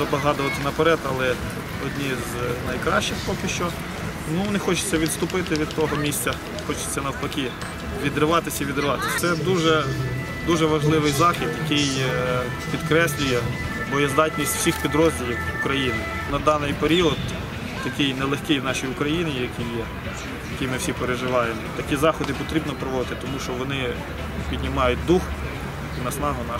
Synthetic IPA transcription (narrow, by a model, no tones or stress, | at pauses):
ɐbɐɦɑd̪ʊʋɐt̪ɪnɐpeɾɛd̪ɐlˠɛ | ɔdʲnʲiznɐjkɾɑʃt͡ʃɪxpɔkʲɪʃt͡ʃɔ | nunɛxɔt͡ʃɪ̥t͡sʲːɐʋʲid̪st̪ʊpɪt̪ɪʋʲid̪t̪ɔɦɔmʲisʲtʲt͡sʲɐ | xɔt͡ʃɪ̥t͡sʲːɐnɐwpɐkʲi | ʋʲid̪ɾɪʋɑt̪ɪsʲɐiʋʲid̪ɾɪʋɑt̪ɪsʲt̪ɛd̪uʒɛ | d̪uʒɛʋɐʒlˠɪʋɪjzɑxʲid̪jɐkɪj | pʲid̪kɾɛsʲlʲʊjɛ | bɔjɛzd̪ɑtʲnʲisʲtʲw̥sʲixpʲid̪ɾɔzʲdʲilʲiwʊkɾɐjinɪ | nɐd̪ɑnɪjpeɾʲiɔd̪ | t̪ɐkɪjnɛlˠexkɪjwnɑʃijʊkɾɐjinʲɪjɐkʲɪjːɛ | jɐkɪjmɪwsʲipeɾeʒɪʋɑjemɔt̪ɐkʲizɑxɔd̪ɪpɔt̪ɾʲibnɔpɾɔʋɔd̪ɪt̪ɪt̪ɔmuʃt͡ʃɔʋɔnɪ | pʲid̪ʲnʲimɑjʊt̚ʲd̪ux | inɐsnɑɦʊnɑ